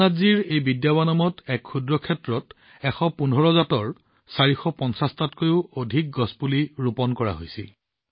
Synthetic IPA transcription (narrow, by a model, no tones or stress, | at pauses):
aziɹejbidjabanɔmɔtɛkxudɹɔkʰɛtɹɔt | ɛxɔpunʱɔɹɔzatɔɹ | saɹixɔpɔnsastatkojʊodʱik̚ɡɔspuliɹupɔnkɔɹa̰ɦo̰jsil